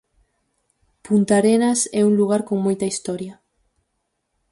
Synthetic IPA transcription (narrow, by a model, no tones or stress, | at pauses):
punt̪aɾenasɛuŋluɣ̞aɾkoŋmojt̪ɐist̪ɔɾjɐ